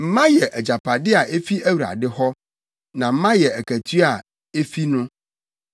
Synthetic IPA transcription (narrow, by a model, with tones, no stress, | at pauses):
m̩˦mã˦jɛ˨ʔæ˨d͡ʑa˨pʰa˨dɪ˦a˨ʔe˦fi˦æ˦wu˨ɾa̰˨dɪ˦hɔ˦ | nã˨m̩˦mã˦jɛ˨æ˨kʰæ˨tʰi˦a˨ | e˦fi˦nʊ̃˦